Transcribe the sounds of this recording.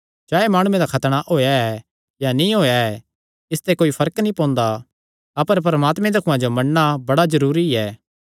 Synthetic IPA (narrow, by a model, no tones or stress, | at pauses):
d͡ʒaːemaːɽ̃ũẽd̪akʰɐt̪ɽ̃aʔoːjaɛ | janĩɦoːjaɛ | ɪst̪ekoːifʰɐɾəknĩpɔ̃ːnd̪a | ɐpəɾp̬ɐɾɐmaːt̪mẽd̪ɐkʰʊ̃ãd͡ʒomɐɽnabɐɽazɐɾuːɾiɛː